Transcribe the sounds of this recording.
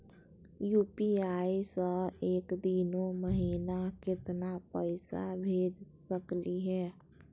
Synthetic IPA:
juːpiaisə̃eːkd̪inoməɦiːnakɪt̪napəɪsa̰bʱeːd͡ʒsəkliɦɛː

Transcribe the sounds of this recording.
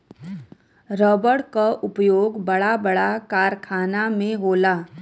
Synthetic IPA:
ɾɔːbəɽkaʔʊpjoːɡbɐɽabəɽakaːɾkʰaːnamẽɦoːlaː

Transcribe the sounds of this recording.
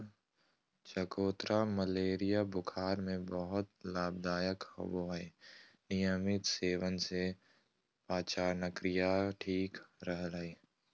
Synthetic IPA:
t͡ʃəkoːt̪ɾaməleːɾijabʊkʰaːɾmẽbəɦʊt̪laːb̚d̪aːjəkho̰boɦe | nɪjəmɪt̪seːʋənse | paːt͡ʃaːɾnəkɾɪjaʈʰiːkɾɦlaiː

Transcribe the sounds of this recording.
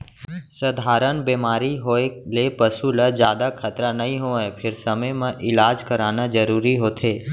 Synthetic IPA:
səd̪ʱaːɾənbeːmaːɾiɦoːelepəsuləd͡ʒjaːd̪akʰət̪ɾanɐɦĩɦoːẽpʰɪɾsəməjmẽʔɪlaːd͡ʒkəɾaːnad͡ʒəɾuːɾiɦoːt̪ʰeː

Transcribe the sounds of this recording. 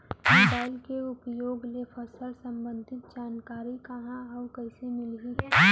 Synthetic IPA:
moːbaːɪlkeʊpjoːɡlepʰəsəlsə̃mbə̃nd̪ʱɪt̪̚d͡ʒaːnkaːɾikɐɦãɐwkəɦɪsemɪlɦiɦɛ

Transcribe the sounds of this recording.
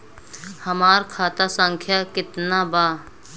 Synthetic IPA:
həmaːɾkʰaːt̪asə̃ŋkʰjakɪt̪nabaː

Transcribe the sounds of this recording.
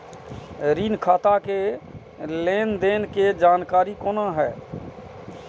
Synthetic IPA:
ɾiːnkʰaːt̪ake | leːnd̪enked͡ʒaːnkaːɾikoːnaɦɛː

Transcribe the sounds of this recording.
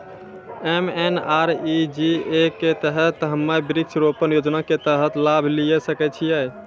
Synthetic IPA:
emenaɾid͡ʒiekːet̪əɦət̪ɦəmːabɾikt͡ʃʰɾopənjod͡ʒnaket̪əɦət̪labʱlijesəkɛt͡ʃʰijəj

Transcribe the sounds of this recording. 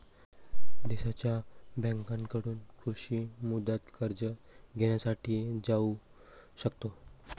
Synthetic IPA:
d̪iɕat͡ɕjabɛ̃ŋkãnkəɽuːnkɾuɕimud̪ət̪kəɾd͡ʑə | ɡʱeɳ̃jasaʈʰiːd͡zau | ɕəkt̪o

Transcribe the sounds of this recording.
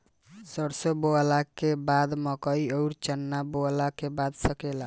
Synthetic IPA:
səɾsoboalakebad̪məkəiəwɾt͡ʃənːaboalakebad̪səkela

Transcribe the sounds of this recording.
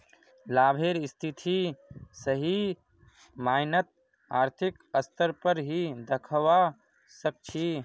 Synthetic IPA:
laːbʱeɾɪst̪ʰit̪ʰisəɦi | maːɪnət̪̚ | aːɾt̪ʰik | əst̪əɾpəɾɦid̪əkʰəwa | sək̚t͡ʃʰi

